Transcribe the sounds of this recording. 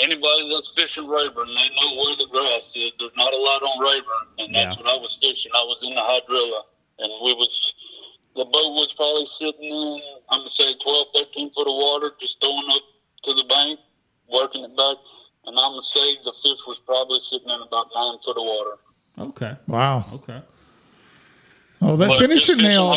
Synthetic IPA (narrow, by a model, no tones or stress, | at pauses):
ɛñibɑɾiðætsfɪʃɨ̃nɹeɪbə̃˞nðeɪnoʊwə˞ðɨɡɹæsɪzðə˞znəɾəlɔɾn̩ɹeɪbə˞nɨ̃nðæswʌɾaɪwʌz̥fɪʃɨ̃ŋaɪwʌzɨ̃nðəhaɪdɹɪlˠə | ɨ̃nwiwʌz̥ | ðəboʊt̚wʌz̥pʰɹ̥ɑbəblisɪɾɪ̃nɪ̃nãɪ̃mseɪtʰw̥ɛlˠv̥peɪtʰĩnfʊɾəwɔɾə˞d͡ʒʌsɡ̥oʊɪ̃ŋʌp̚ | tʰɨðəbæ̃ɪ̃ŋk̚ | wɜ˞kɪ̃ŋɨt̚b̥æk̚ | ʔɨ̃nãɪ̃mseɪðəfɪʃwʌz̥pʰɹ̥ɑbəblisɪɾɪ̃ŋɨ̃nəbaʊtⁿnãɪ̃nfʊɾʌvwɔɾə˞ | o̰ʊkʰeɪwaʊoʊkʰeɪ | oʊðɨtfɪ̃nɨʃɨtme